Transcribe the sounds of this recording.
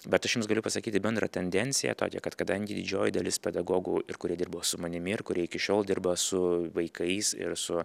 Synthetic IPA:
bʲɛt̪ɐʃjʊmsɡɐlʲʊpɐsɐkʲiːt̪ʲɪbʲɛnd̪ɾɐ̰t̪ʲɛnʲd̪ʲɛnʲt̪sʲɪjɛ̰t̪o̰ːkʲɛ̰kɐt̪kɐd̪ɐŋʲɡʲɪd̪ʲɪd͡ʒʲoːjɪd̪ɐlʲɪspʲɛd̪ɐɡoːɡuːɪrkʊɾʲiɛd̪ʲɪɾrboːsʊmɐnʲɪmʲɪɪrkʊɾʲiɛɪkʲɪʃʲoːlˠd̪ʲɪrbɐsʊʋɐɪkɐɪsɪ̰ɾsʊ

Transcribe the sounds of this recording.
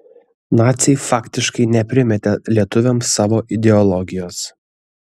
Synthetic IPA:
nɑːt̪sʲɛɪfɑːkʲt̪ʲɪʃkɐɪnʲɛpʲɾʲɪmʲɛt̪ʲɛlʲiɛt̪ʊʋʲɛmsɑːʋoːʔɪd̪ʲɛɔlˠɔɡʲɪjoːs

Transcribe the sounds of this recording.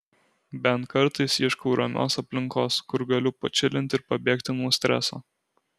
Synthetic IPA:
bʲɛnt̪kɐɾˑt̪ɐɪsɪʃkoʊɾʔɐmʲo̰ːsɐpʲlʲɪŋˑkoːskʊɾɡɐlʲʊpɐ̰t͡ʃʲɪlʲɪnʲt̪ʲɪɾpɐbʲeːkt̪ʲɪnuːsʲt̪ʲɾʲæ̰so̰ː

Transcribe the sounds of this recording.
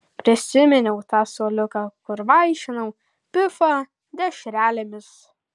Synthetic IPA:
pʲɾʲɪsʲɪmʲɛnʲɛʊt̪ɑːsoːlʲʊkɐkʊɾʋɐɪʃʲɪnɐʊ | pʲɪfɐ | d̪ʲɛʃʲɾʲæːlʲemʲɪs

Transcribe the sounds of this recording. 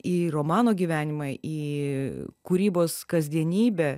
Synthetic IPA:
iːɾoːmɑːnoːɡʲiːʋʲæːnʲɪmɑʔiː | kuɾʲiːboːskɐzʲd̪ʲiɛnʲiːbʲɛ

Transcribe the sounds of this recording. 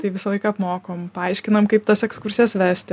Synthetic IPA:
t̪ɐɪʋʲɪsɐlˠɐɪkɐɐpmoːkoːmpɐɐɪʃʲkʲɪnɐmkɐɪpt̪ɐsɛkskʊɾʲsʲiɛsʋʲæsʲt̪ʲɪ

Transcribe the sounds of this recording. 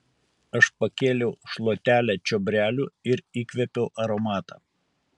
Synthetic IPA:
ɐʃpɐkʲeːlʲɛʊʃlˠoːt̪ʲæːlʲæt͡ʃʲɔbʲɾʲæːlʲuːɪɾiːkʲʋʲɛpʲɛʊʔɐɾɔmɑːt̪ɑː

